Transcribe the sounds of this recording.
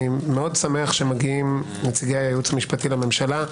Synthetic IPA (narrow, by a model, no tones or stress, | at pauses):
meo̞dsameaχʃemaɡiim | net͡siɡejajajut͡shamiʃpatilame̞mʃala